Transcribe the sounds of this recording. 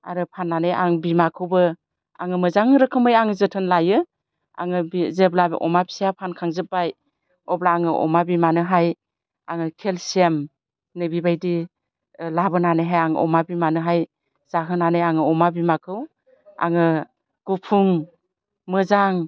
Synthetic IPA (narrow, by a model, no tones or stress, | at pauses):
a̰ɾɯpʰanːanɯja̰ŋbimakʰɯwbɯ | a̰ŋɯmɯzaŋɾɯkʰɯmɯjaŋɯzɯtʰɯnlajɯ | a̰ŋɯbizeblabʔɔmabi̥sijapʰankʰaŋzɯp̚baj | ɔblaːŋɯʔɔ̰mabimanɯɦaj | a̰ŋɯkʰelsem | nɯbibajdi | labɯnanɯjɦajaŋɯ̰ʔɔ̰mabimanɯɦaj | zaɦɯnanɯjaŋɯɔmabimakʰɯw | a̰ŋɯ | ɡ̥upʰuŋ | mɯzaŋ